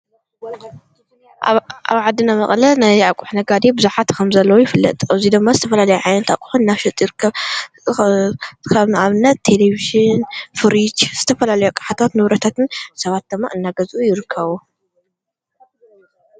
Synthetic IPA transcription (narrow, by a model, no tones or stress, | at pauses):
ʔa̰βʕad̪ɨnamɐχʼlɐnajakʷʼuħnɐɡad̪ebɨzuħat̪kʰɐmzɐlːɐwujɪfɨlːɐ̰t̪ʼaβzid̪ɨmːazɨt̪ʰɐfɐlalɐjuʕajnɐt̪a̰kʷʼu̥ħunːaβʃɨt̪ʼjɪɾɨkʰːɐβ | kʰaβnɨʔaβɨnːɐt̪ːʰe̞leβiʒɪnfɨɾit͡ʃz̥ɨt̪ʰɐfɐlalɐjukʼḁħat̪ʰat̪nɨβɾɐt̪ʰat̪ʰɨnsɐβat̪̚d̪ɨmːa̰ʔɨnːaɡɐzʔujɪɾɨkʰːɐβu